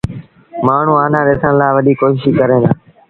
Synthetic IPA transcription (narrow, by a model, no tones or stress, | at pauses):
maːɳ̤ũːaːnãːɗeːsʰəɳlaːʋəɗiːkoːʃɪʃiːkəɾẽːnaː